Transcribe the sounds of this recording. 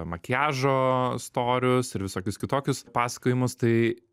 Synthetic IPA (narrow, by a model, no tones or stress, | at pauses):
mɐkʲæːʒoːst̪oːɾʲʊsɪɾʋʲɪsoːkʲʊskʲɪt̪oːkʲʊspɑːsʲɐ̥kʲojɪmʊst̪ɐɪ